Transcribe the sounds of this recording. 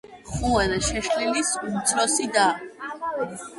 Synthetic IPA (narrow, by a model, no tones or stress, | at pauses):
χuɛd̪ɛʃɛʃlilisumt̪sʰɾɔsid̪aː